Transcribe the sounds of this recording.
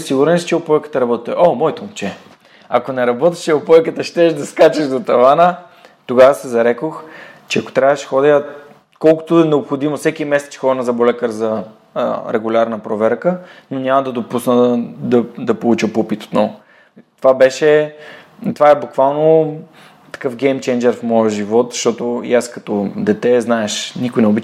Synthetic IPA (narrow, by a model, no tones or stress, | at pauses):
siɡuɾɛnst͡ʃɛopɔjkə̥t̪ɐɾɐbɔt̪ɛt̪ə̰ʔomɔjt̪omt͡ʃɛ | ɐ̰konɛɾɐbɔt̪ɛ̥ʃɛopɔjkət̪əʃt̪ɛʒd̪ɐskat͡ʃɛʒd̪ot̪ɐvanə | t̪oɡavəsɛzɐɾɛkoxt͡ʃɛɐko̥t̪ɾʲavɐʃxɔd̪iə | kɔlˠkʊ̥t̪oɛnɛopxod̪imofsɛkimɛsɛ̥t̪xɔnɐzɐbolɛkəɾzɐ | ɾɛɡulʲaɾnəpɾovɛɾkənonʲamɐd̪ɐd̪opusnəd̪ɐd̪ɐpolˠut͡ʃəpopit̪o̥t̪nɔvo | t̪ovabɛʃɛ | t̪ovaɛbukvalˠno | t̪ɐ̥kɤfɡɛjmt͡ʃɛnd͡ʒɛɾfmɔjəʒivɔt̪zɐ̥ʃt̪ɔt̪oḭaskɐt̪ɔd̪ɛt̪ɛznaɛʃnikʊjnɛobit͡ʃ